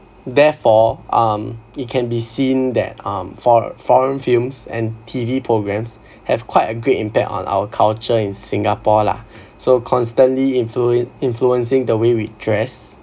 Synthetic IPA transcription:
dɛfɔʔʌ̃mit̚kʰɛ̃nbisĩndɛ̰t̚ʌ̰̃mfɔfɔɹə̃nfilmsɛ̰̃ntʰivipʰɹoɡɹɛ̃ms | hɛv̥kʰwaɪtəɡɹetĩmpɛk̚tɔ̰̃na̰wəkʰalt͡ʃəĩnsĩŋɡapɔla̰ | sokʰɔ̃nstə̃nlĩfũĩnfluə̃nsɪ̃ŋdəwewidɹɛs

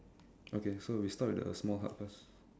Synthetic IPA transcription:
ʔokesowistat̚wɪdə̰smɔlɦa̰tfəs

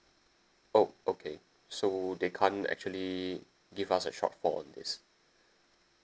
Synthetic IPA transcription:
oʔokʰe | sodekʰãnɛ̰k̚t͡ʃuəli | ɡivasəʃɔ̰tfɔ̰ɔ̰̃ndḭs

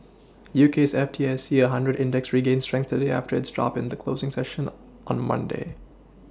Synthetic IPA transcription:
juːkʰeːsɛftʰiɛsiːəɦʌ̃ndɹəɾɪ̃ndɛksɹiɡẽɪ̃nstɹɛ̃ŋk̚θədeɪæ̰ftəɹɪtsdɹɑ̰pɪ̃nd̪əkʰl̥oʊːzɪ̃ŋsɛʃə̃n | ʔə̃nmʌ̰̃ndḛɪ

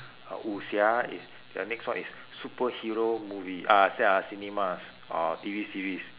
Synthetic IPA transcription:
a̰ʔusiaḭs | də̰nɛkswãnisːupəhiɹomuviasɛasinimas | ɔ̰tivisiɹis

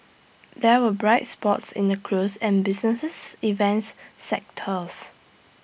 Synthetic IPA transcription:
dɛwəbɹaɪt̚spɔtsɪ̰̃ndəkʰɹusɛ̃nbɪsnəssivɛ̃ntsːɛk̚tʰəs

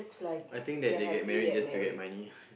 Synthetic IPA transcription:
kslaajt̪ɪ̃ŋk̚dɛt̚deɡɛt̚mɛɹit̚d͡ʒastuɡɛt̚mãni

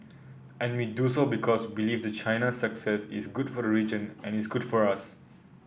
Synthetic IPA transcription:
ʔɛ̃nwidusobikʰɔsbilifd̪ət͡ʃʰaɪnasəksɛsḭsɡudfɔɾəɹid͡ʒə̃nɛ̃nisɡudfɔɹas

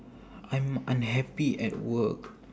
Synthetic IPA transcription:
ʔãj̃mãnɦɛpiɛ̰t̚wək

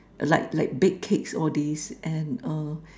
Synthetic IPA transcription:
ʔlaɪk̚laɪk̚bɛkkʰeksɔdisʔɛ̃nʌ

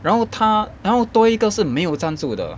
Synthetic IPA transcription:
ɻanxoʊt̪ʰaɻanxoʊt̪wɔiɡəʂɻ̩meɪjoʊt͡sant͡sud̪ə̰

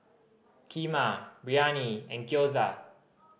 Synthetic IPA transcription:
kʰimabɹianiɛ̃nkjoza

